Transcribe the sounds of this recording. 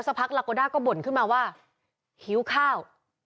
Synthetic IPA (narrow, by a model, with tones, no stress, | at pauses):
sa˦˧pʰa˦˥k̚laː˧koː˧daː˥˩kɔː˥˩bo˨˩nkʰɯ˥˩nmaː˧waː˥˩ | hi˩˦˥wkʰaː˥˩w